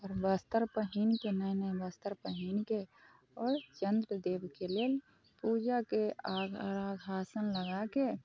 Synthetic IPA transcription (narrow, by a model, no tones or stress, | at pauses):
ɔɾbəst̪əɾpəɦiːnkenəjnəbəst̪əɾpəɦiːnke | ɔːɾt͡ʃənd̪ɾəd̪eːbkeleːl | puːd͡ʒakeaɡɾaːɡɦaːsənləɡake